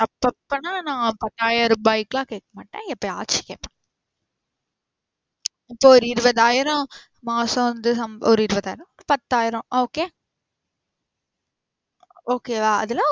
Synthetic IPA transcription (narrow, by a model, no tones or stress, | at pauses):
t̪ɐpːɐpːɐnaːnãːpɐt̪ːaːjɐɾɐ̃bɐɪkːɪlãːkeːkːɐmaːʈːẽːɛpːɐia̰ːʈt͡ʃi̥kḛːpːɐ̃ | ɪpːoːɔɾɯɪɾɯbɐðaːjɪɾɔ̃ | maːsɐ̃ʋɐnd̪ɯsɐmɔɾɯɪɾɯbɐðaːjɪɾɔ̃ɔɾɯpɐt̪ːaːjɪɾɔ̃ʔoːkeː | oːkeːʋaɐ̰ðɯlãː